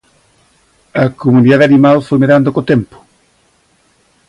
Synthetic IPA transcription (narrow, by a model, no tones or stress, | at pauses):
ɐkomuniðaðeanimalfojmeɾand̪okot̪ɛmpʊ̥